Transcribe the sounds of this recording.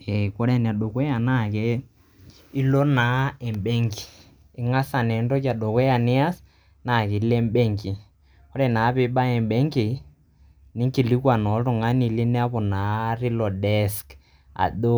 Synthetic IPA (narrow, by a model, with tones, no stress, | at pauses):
ɛ˨kɔ˦ɾɛ˦˨n˨a˨ɗo˨kwɛ˦ja˨na˦˨ke˦ | i˦lɔ˦na˨˦ɛ˨mbɛ˦ŋɡi˨ | e˨ŋa˦sa˨nɛ˨ndɔ˦kja˨ɗo˨kwɛ˦ja˨ne˦a˦s | na˨ke˨˦lɛ˦mbɛ˦ŋɡi˨ | ɔ˦ɾɛ˨na˨˦βe˦ɓa˦ɛ˨mbɛ˦ŋɡe˨˦ | ni˦ŋki˨li˦kwa˨nɔ˨˦ɾo˨ŋa˦ni˨le˦nɛ˦a˦βɔ˨na˨˦ri˦lɔ˨dɛ˦sk | a̰˨do˦